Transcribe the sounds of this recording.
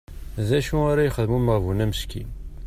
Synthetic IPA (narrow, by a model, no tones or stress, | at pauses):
ðæʃuaɾajəχəðəmuməʁvunæməʃkḭn